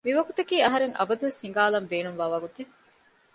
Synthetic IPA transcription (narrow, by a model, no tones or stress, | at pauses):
miʋɐɡut̪ɐkiːɐɦɐɾeŋʔɐ̰bɐd̪uʋeshiŋɡaːlɐmbeːnumʋaːʋɐɡut̪e